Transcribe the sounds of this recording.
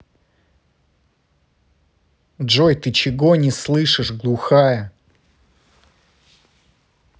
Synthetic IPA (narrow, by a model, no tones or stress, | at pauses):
dʐojt̪ɨt͡ɕɪɡonʲɪslˠɨʂɨʂɡlˠʊxajə